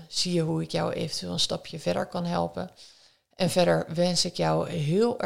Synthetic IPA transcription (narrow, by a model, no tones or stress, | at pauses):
sijəɦuɪkja̰wʔḛːvəntʋeːlˠənstɑpʰjəvɛdə̰ɹkɑnɦɛ̰lˠpə̰ | ʔɛnvɛɾəɹʋɛnsɪkjɔwɦɪːəlˠ